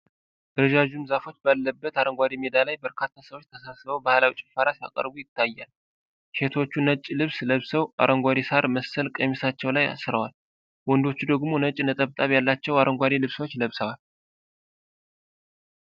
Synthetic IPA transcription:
d̪ɨɾəd͡ʒaʒumzafo̞t͡ʃːbalːəbːət̪aɾəŋɡʷad̪imed̪alajbəɾkʰat̪ʰːasəwo̞t͡ʃːt̪ʰəsasɨβəwbahlawit͡ʃʼɪfaɾasia̰kʼə̰ɾbujɪt̪ʰːajːal | ʃe̞t̪ʰwo̞t͡ʃːunət͡ʃʼːlɨβsləβsəwʔa̰ɾʔəŋɡʷad̪isaɾməsːəlkʼəmisat͡ʃːɛwlaja̰sɨɾəwal | wɔnd̪o̞t͡ʃːud̪əɡmo̞nət͡ʃʼːnət̪ʼəβt̪ʼaβjalːat͡ʃːɛwaɾʔəŋɡʷaɾilɨβsəwot͡ʃːləβsəwal

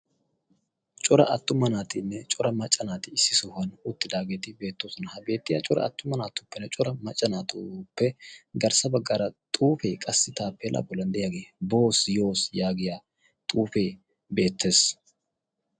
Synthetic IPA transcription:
t͡ʃʼɔɾɐ̰ʔɐt̪ːʊmɐnaːt̪ɪnːɛt͡ʃʼɔɾɐmɐt͡ʃʼːɐnaːt̪ɪɪsːɪsʊhɐnʊt̪ːɪd̪aːɡeːt̪ɪbe̞ːt̪ːoːsɔnɐhɐbe̞ːt̪ːɪja̰t͡ʃʼɔɾɐ̰ɐt̪ːʊmɐnaːt̪ʊpːɛnːɛt͡ʃʼɔɾɐmɐt͡ʃʼːɐnaːt̪ʊpːɛɡɐɾsɐbɐɡːaːɾɐt̪ʼuːfeːkʼɐsːɪt̪aːpːɛlʔɐ̰bɔlɐnd̪ɛjaɡebo̞ːsjo̞ːsjaːɡɪjaː | t̪ʼuːfe̞ː | be̞ːt̪ːe̞ːs

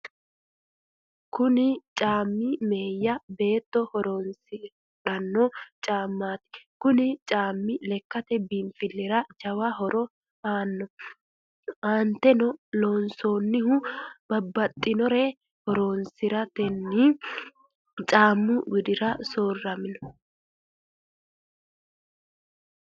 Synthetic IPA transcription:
kʊnɪt͡ʃʼaːmːime̞ːjːɐbe̞ːt̪ːɔhɔɾoːnsɪ | ᶑɐnːɔt͡ʃʼaːmːaːt̪ɪ̥kʊnɪt͡ʃʼaːmːɪlɛkːɐt̪ɛbimfɪlːɪɾɐd͡ʒɐwɐɦɔɾɔ | aːnːɔ | aːnt̪ɛnɔloːnso̞ːnːɪhʊb̥ɐbːɐt̪ʼːɪnɔɾɛ | hɔɾoːnsɪɾɐt̪ɛnːiː | t͡ʃʼaːmːʊwɪd̪ɪɾɐsoːrːɐmɪnɔ

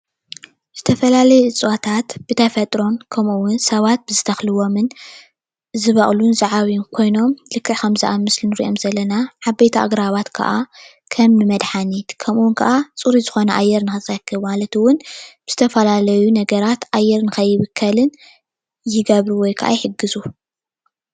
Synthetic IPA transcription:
z̥ɨt̪ʰɐfɐlalɐjɛɨt͡sʼwat̪ʰat̪b̥ɨt̪ʰɐfɐt̪ʼɾo̞nkʰɐmuwʊnsɐβat̪̚bɨzɨt̪ʰɐxlɨwo̞mɨn | zɨβɐχʼlunzaʕaβinkʰo̞jno̞mlɨkʰːɨʕkʰɐmzɐʔamɨslinɨɾḭʔo̞mzɐlːɐnaʕaβbejt̪ʰaʔa̰ɡɾaβat̪kʰɐ̰ʔa | kʰɐmnɨmɐd̪ħanit̪kʰɐmʔuwʊnkʰɐʔat͡sʼuɾizɨxo̞nɐʔajːɛɾnɨxɨzʼɐkʰːɨβmalɐt̪wʊnb̥ɨz̥ɨt̪ʰɐfɐlalɐjunɐɡɐɾat̪ʔajːɛɾnɨxɐjːɪβɨkʰːɐlɨn | jɪɡɐβɾuwɔjkʰɐʔa̰jħɨɡɨzu

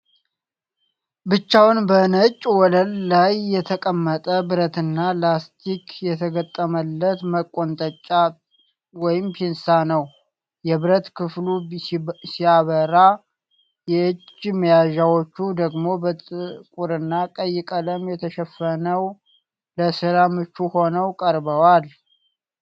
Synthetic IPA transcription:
bɨt͡ʃːawnbənət͡ʃʼwɔləlːajːɛt̪ʰəkʼəmːət̪ʼəbɨɾət̪ɨnːalast̪ʰikʰjɛt̪ʰəɡət̪ʼːəməlːət̪məkʼːo̞nt̪ʼət͡ʃʼːa | wɔjɪmpʰinsanəw | jɛβɨɾət̪kʰɨflu | siaβəɾa | jɛɨt͡ʃːməjaʒawot͡ʃːud̪əɡmo̞bət̪ʼɨkʼuɾɨnːakʼəjːɪkʼələmjɛt̪ʰəʃɛfːənəw | ləsɨɾamɨt͡ʃːuho̞nəwkʼəɾbəwal

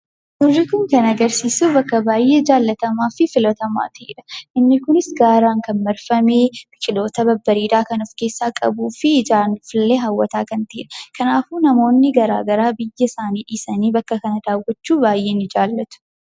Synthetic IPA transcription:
hʊrːɪkʊŋkɐnɐɡɐɾsiːsubɐkːɐbaːjːe̞ːd͡ʒaːlːɐt̪ɐmaːfɪfɪlɔt̪ɐma̰ːt̪ɐḭːᶑɐ̥ʔɪnːɪkʊnɪsɡaːɾaːŋkɐnmɐɾfɐmeːbɪkʼɪlo̞ːt̪ɐbɐbːɐɾiːd̪aːkɐnɔfke̞ːsːaːkʼɐ̰buːfɪd͡ʒaːnfɪlːeːɦawːɐt̪aːkɐnt̪ɐḭᶑɐ̥kʰɐnaːfuːnɐmo̞ːnːɪɡɐɾa̰ːɡɐɾaːbɪjːɐsaːniːᶑiːsɐniːbɐkːɐkɐnɐd̪aːwɔt͡ʃːuːbaːjːe̞ːnːɪd͡ʒaːlːɐt̪ʊ̥

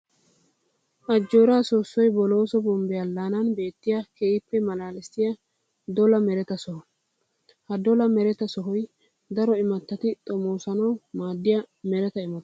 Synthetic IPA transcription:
ʔɐd͡ʒːoːɾaːsoːsːɔjbɔlo̞ːsɔbɔmbɛjɐlːaːnɐnbe̞ːt̪ːɪjɐkeːɪpːɛmɐlaːlɪsɪjɐ | d̪ɔlɐmɛɾɛt̪ɐsɔhɔ | hɐd̪ɔlɐmɛɾɛt̪ɐsɔɦɔj | d̪ɐɾɔɪmɐt̪ːɐt̪ɪt̪ʼɔmoːsɐnɐwmaːd̪ːɪjɐmɛɾɛt̪ɐɪmɐt̪

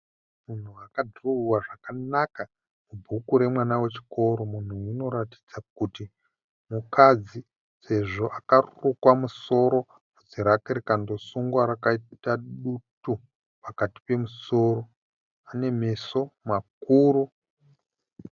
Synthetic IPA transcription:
mun̤uakadʱrouwaʐakanaka | mubʱukuɾe̞mwanawe̞t͡ʃi̥ko̞ɾo̞mun̤uino̞ɾati̥d͡zakuti | mukad͡zi | se̞ʐo̞ʔakarurukwamuso̞ɾo̞ | ud͡ziɾakeɾekando̞suŋɡwaɾakaitaɗutu | pakati̥pe̞muso̞ɾo̞ | ane̞me̞so̞makuːru

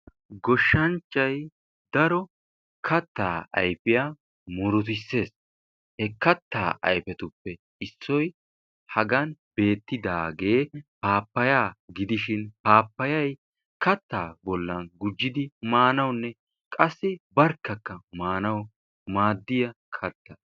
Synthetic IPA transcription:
ɡɔʃːɐnt͡ʃːɐj | d̪ɐɾɔ | kʰɐt̪ːa̰ːɐ̰jfɪjaː | mɔɾʊt̪ɪsːe̞ːs | hɛkɐt̪ːa̰ːʔɐ̰jfɛt̪ʊpːɛ | ɪsːɔj | hɐɡɐnbe̞ːt̪ːɪd̪aːɡe̞ːpaːpːɐjaːɡɪd̪ɪʃɪnpaːpːɐjɐj | kɐt̪ːaːbɔlːɐnɡʊd͡ʒːɪd̪ɪmaːnɐwnːɛ | kʼɐsːɪbɐɾkːɐkːɐmaːnɐw | maːd̪ːɪjɐkʰɐt̪ːɐ

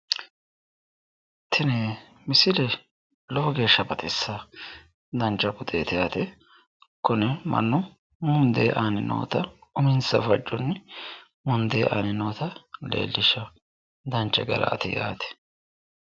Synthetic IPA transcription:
t̪ʰɪnɛ | mɪsɪlɛ | lɔɔɡe̞ːʃːɐbɐt̪ɛsːa | d̪ɐnt͡ʃːɐkʊd̪eːt̪ɪjaːt̪ɛ | kɔnɛmɐ̰nːʊ | mʊnd̪eːʔaːnɪnʔo̰ːt̪ɐʊmɪnsɐ̰fɐt͡ʃʼːɔnːɪ | mʊnd̪eːʔa̰ːnɪnoːt̪ɐlḛːlːɪʃɐ | d̪ɐnt͡ʃʼːɛ̰ɡɐ̰lɐ̰t̪ɪ̰ja̰ːt̪ɛ̥

